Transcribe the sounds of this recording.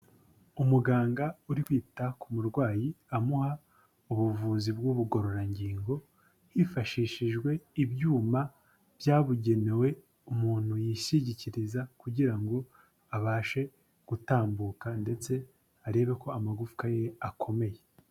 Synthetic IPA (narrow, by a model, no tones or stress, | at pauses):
umuɡaːŋɡauɾikwiːtakumuɾɡwaːjiamuha | uβuvuːzibɡuβuɡo̞ɾo̞ɾaɲɟiːŋɡo̞ | hifaʃiːʃiʒɡwe̞ibjuːma | v̥jaːβuɟe̞ne̞we̞ | umuːn̥hujiʃiɟiciɾizakuɟiɾaŋɡo̞ | aβaːʃe̞ | ɡ̥utaːmbuːkande̞t͡se̞ | aɾe̞ːβe̞ko̞amaɡufu̥kajeakʰo̞me̞je̞